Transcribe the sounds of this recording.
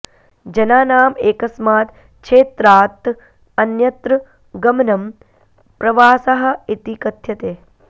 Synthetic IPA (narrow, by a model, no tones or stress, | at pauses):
d͡ʒɐnaːnaːmeːkɐsmaːt̪ | ʃʰeːt̪ɾaːt̪ | ɐnjɐt̪ɾɨ | ɡɐmɐnɐm | pɾɐʋaːsɐɦɐ̆it̪ikɐt̪jɐt̪eː